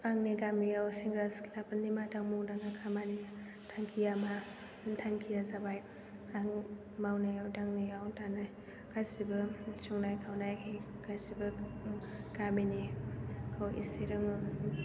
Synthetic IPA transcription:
aŋniɡamijawsiŋɡɾaskʰlapnimataŋmuŋdaŋakʰamani | tʰaŋkʰijama | tʰaŋkʰijazabaj | aŋ | mawnajawdaŋnijawtanaj | kasibɯt͡ʃuŋnajkʰawnajkʰiɡazibɐ | ɡ̥aminikʰawḭsiɾɯŋɯ

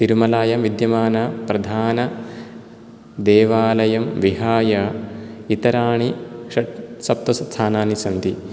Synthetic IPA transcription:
t̪iɾumɐlaːjɐmʋid̪jɐmaːnɐpɾɐd̪ʱaːnɐ | d̪eːʋaːlɐjɐmʋiɦaːjɐit̪ɐɾaːɳiʂɐsɐp̚t̪ɐsɐt̪ʰaːnaːnisɐnd̪i

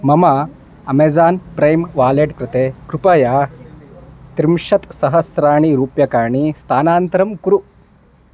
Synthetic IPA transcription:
mɐma | ɐmeːd͡zaːnpɾɐjmʋaːleːʈkɾɪt̪eːkɾupɐjaː | t̪ɾimʂɐt̪sɐɦɐsɾaːɳ̃iɾuːpjɐkaːɳ̃ist̪ʰaːnaːnt̪ɾɐmkɾu

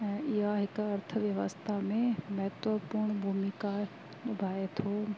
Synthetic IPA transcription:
ɛ̃ːɪɦaɦɪkɐɾt̪ʰəʋjəʋəst̪ʰamẽmɐɦət̪ʋəpuɾɳbʱuːmika | ɐbʱaːet̪ʰoː

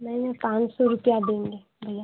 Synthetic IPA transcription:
mɛnẽpãːt͡ʃsɔɾʊpjad̪ẽːŋɡeː | bʱɐja

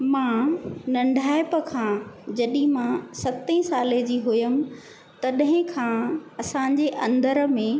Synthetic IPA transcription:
mãːnɐ̃ɳɖʱaːɪpəkʰãd͡ʑɐɗĩmãsɐt̪ĩsaːled͡ʑiːɦʊjəmɪ̆ | t̪ɐɗɦɪ̃kʰãːɐsãɲ̆d͡ʑeʔɐ̃nd̪əɾ̆mẽ

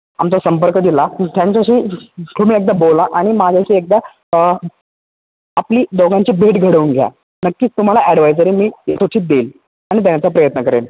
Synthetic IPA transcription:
amt͡səsəmpəɾkəd̪ilat̪jãɲt͡ɕaɕiːt̪ʰomiːek̚d̪abolaʔaɽ̃imad͡ʑʱjaɕiːek̚d̪a | apliːd̪oɡaɲt͡ɕiːbʱeʈɡʱəɽəuːnɡʱja̰ | nəkːiːt͡st̪um̤alaʔɛɽʋajd͡zəɾiːmiːesʰoʈʰiːt̪̚d̪eːl | aɽ̃it̪̬anat͡sapɾəjət̪nəkəɾḛl

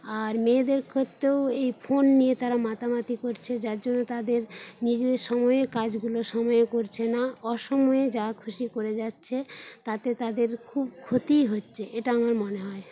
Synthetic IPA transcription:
aɾmed̪eɾkʰot̪ːewejfʰonːijet̪aɾamat̪amat̪ikoɾt͡ɕʰed͡ʑaɾd͡ʑonːot̪ad̪eɾnid͡ʑed̪eɾʃɔmɔeeɾkad͡ʑɡuloʃɔmɔeekoɾt͡ɕʰenaɔʃɔmɔed͡ʑakʰuʃikoɾed͡ʑatːɕʰet̪at̪et̪ad̪eɾkʰub̚kʰot̪iɦotːɕʰeʔeʈaamaɾmoneɦɔe

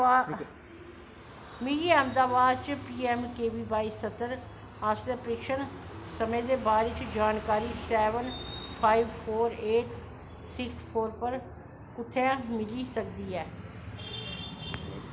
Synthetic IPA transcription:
miːɡiːɛmd̪aːʋaːd̪̚t͡ʃpiːɛmkeːʋiːbaːisət̪ːəɾ | aːst̪epəɾɪkʃənsəmẽːd̪eːbaːɾɪt͡ʃd͡ʒaːnkaːɾiːsɛːʋənpʰaːiʋpʰoːɾeːʈ | sɪkspʰoːɾpəɾ | kʊt̪ʰːeãmɪliːsəkd̪iːɛː

